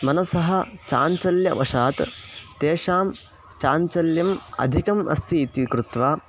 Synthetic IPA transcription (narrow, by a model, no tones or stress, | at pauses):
mɐnɐsɐɦɐ̆t͡ʃa̰ːɲt͡ʃɐljɐʋɐʂaːt̪t̪eːʂaːm | t͡ʃaːɲt͡ʃɐljɐmɐ̰d̪ʱikɐmɐ̰st̪ʰiːt̪ikɾut̪ʋaː